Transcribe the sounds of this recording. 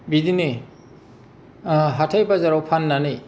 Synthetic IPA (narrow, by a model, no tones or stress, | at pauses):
bidini | ɦatʰajbazaɾawpʰanːani